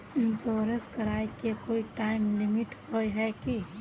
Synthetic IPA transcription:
ɪnsoːɾəskəɾaːjkekoːiʈaːɪmlɪmɪʈhojɦɛki

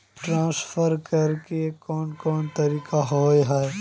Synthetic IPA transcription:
ʈɾãːsfəɾkɐɾkekɔːnkɔːnt̪ɐɾiːkaɦoːjɦɛɛ

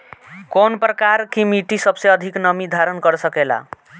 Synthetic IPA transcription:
konprʌkaɾkimiʈisʌbseʌd̪ʱiknʌmid̪ʱaɾʌnɡʌɾsʌkela̰

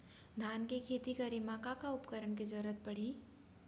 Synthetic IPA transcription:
d̪ʱaːnkekʰeːt̪ikɐɾimaːkakaʊpkəɾəɳked͡ʒɔɾət̪̚pɐɽ̤i

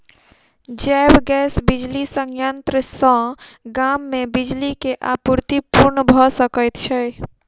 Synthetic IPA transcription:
d͡ʒɛbɡɛsbid͡ʒlisəŋjənt̪ɾəsə̃ɡamːebid͡ʒlikeʔapuɾt̪ipuɾnəbʱɔsəkəjt̪t͡ʃʰɛ

